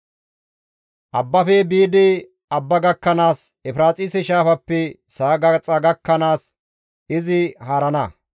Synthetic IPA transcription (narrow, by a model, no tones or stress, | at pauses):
ʔɐbːɐfɛbiːd̪ɪ | ɐbːɐɡɐkːɐnaːsɛfɾaːt͡sʼisɛʃaːfɐpːɛsaːɡɐt͡sʼɐɡɐkːɐnaːs | ɪzɪhaːɾɐnɐ